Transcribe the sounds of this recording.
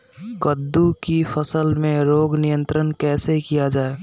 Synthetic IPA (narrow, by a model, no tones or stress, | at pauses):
kəd̪ːukifʰəsəlmẽɾoːɡnijə̃nt̪ɾənkɛːseɦikijad͡ʒaːe